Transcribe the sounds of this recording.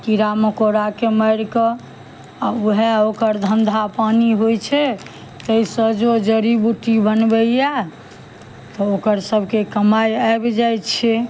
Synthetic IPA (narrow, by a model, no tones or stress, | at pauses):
kiɾamekoɾakeməjɾkɔ | auɦeokəɾd̪ʱənd̪ʱapaniɦojt͡ʃʰɛ | t̪əisəd͡ʒod͡ʒəɾibuʈibənbejɛ | t̪ɔokəɾsəbʱkekəmajaebd͡ʒajtt͡ʃʰɛ